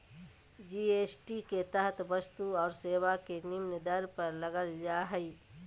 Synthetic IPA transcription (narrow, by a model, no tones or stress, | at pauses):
d͡ʒiːeːsʈiket̪əɦt̪ʰbəst̪uɔːɾseːwakenɪmnd̪əɾpəɾləɡəld͡ʒaːɦɛi